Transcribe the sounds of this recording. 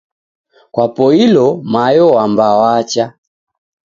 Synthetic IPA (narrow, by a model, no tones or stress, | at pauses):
kwapɔilɔmajɔwambawat͡ʃa